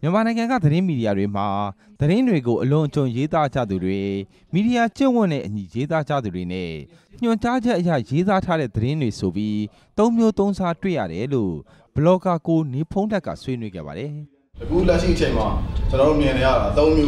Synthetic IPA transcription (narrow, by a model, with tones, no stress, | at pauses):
mjə˨mã˨nã˨ɪ̃ŋã˨ŋɡa̰˦˨d̪əɾɪ̃˦mi˨ɾi˨ja˨dwe˨m̥a˨ | d̪̥əɾɪ̃˦ndwe˨ɡo˨ʔəlʊ̃˨ʔət͡ɕõ˨je˦t̪a˦d͡ʑä̰˦˨d̪u˨dwe˨ | mi˨di˨ja˨t͡ɕɪ̰̃˦˨wʊ̰̃˦˨nɛ̰˦˨ʔəɲi˨je˦t̪a˦d͡ʑä̰˦˨d̪u˨dwe˨nɛ̰˦˨ | ɲ̥ʊ̃˨ɲt͡ɕa˦d͡ʑɛ˦ʔəja̰˦˨je˦t̪a˦tʰa˦ɾɛ̰˦˨d̪əɾɪ̃˦ndwe˨so˨pji˦ | t̪õ˦ʊ̃mjo˦t̪õ˦ʊ̃za˦twḛ˦˨ja̰˦˨ɾɛ˨˦lo̰˦˨ | b̥əlɔ˨ka˨ko˨ne˨pʰõ˦ʊ̃l̥ɛ˦ʔkːä̰˦˨swe˦nwe˦ɡɛ̰˦˨ba̰˨ɾɛ˨ | təɡu˦˨lɛ˦ʃḭ˦˨ʔə˨t͡ɕʰẽ˨ɪ̃ma˨t͡ɕə˨nɔ˨ɾo˦˨mjɪ̃˨ne˨ja̰˦˨a˨t̪õ˦ʊ̃mjo˦